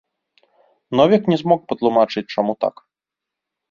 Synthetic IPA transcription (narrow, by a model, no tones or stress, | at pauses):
nɔvʲɛknʲɛzmɔk̚pɐt̪lˠumat͡ʂɨt͡sʲt͡ʂamut̪a̰k